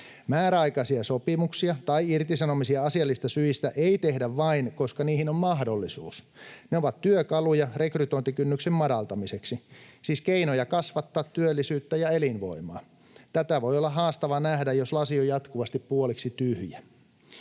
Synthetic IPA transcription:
mæːɾæɑikɑsiɑsopimuksiɑt̪ɑiirt̪isɑnomisiɑɑsiɑlːist̪ɑsyist̪æʔeit̪ehdæʋʋɑinko̞skɑniːhinommɑɦdo̞lːisuːs | neoʋɑt̪tyøkɑlujɑre̞kryt̪oint̪ikynːyksemmɑdɑlt̪ɑmiseksisiːskeinojɑkɑsʋɑt̪ːɑːt̪tyølːisyːt̪ːæjɑelinʋo̞̰imɑ̰ː | t̪æt̪æʋo̞jolːɑɦɑːst̪ɑʋɑnæhdæjjoslɑsiojɑt̪kuʋɑst̪ippuoliksit̪yhjæ

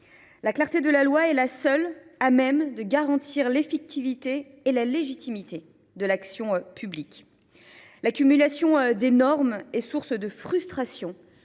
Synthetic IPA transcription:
laklaʁt̪ed̪əlalwaɛlasœlamɛmd̪əɡaʁɑ̃t̪ʰiʁlefik̚t̪ʰivit̪eː | laleʒit̪imit̪e | d̪əlaksjɔ̃pʰyblik | lakʲymylasjɔ̃d̪enɔʁmesuʁsd̪əfχyst̪χasjɔ̃

